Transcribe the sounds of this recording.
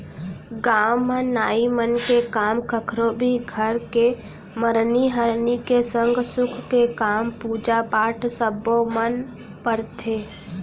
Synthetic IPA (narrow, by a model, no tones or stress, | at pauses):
ɡaːwmə̃nːaːimənkekaːmkəkʰɾõbʱiɡʱəɾke | məɾniɦəɾnikesə̃ŋɡsʊkʰkekaːmpuːd͡ʒapaːʈʰsəbomən | pəɾt̪ʰeː